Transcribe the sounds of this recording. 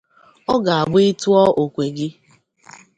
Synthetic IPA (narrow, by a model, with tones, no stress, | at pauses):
ɔ˦ɡa˨a˨ɡ͡bʊ˦ɪ˦tu˦ɔ˦ʔo˨kʷe˨ɡɪ˦